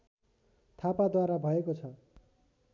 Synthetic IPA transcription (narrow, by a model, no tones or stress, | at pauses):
t̪ʰapad̪waɾabʱʌekot͡sʰʌ